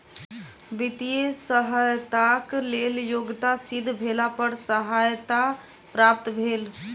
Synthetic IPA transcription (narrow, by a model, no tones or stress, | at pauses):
ʋit̪ijesəɦajt̪akleljoɡt̪asid̪ʱbʱelapəɾsəɦajt̪a | pɾap̚t̪bʱeːl